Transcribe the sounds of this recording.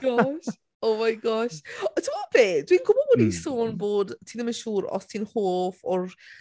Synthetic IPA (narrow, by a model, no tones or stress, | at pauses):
ɡɔʃ | oːmajɡɔʃtʰɪmɔdðeːdwiːnɡʊbɔədisoːnboːdtʰiːnəmənʃuːɾɔ̰stʰinhoːfɔr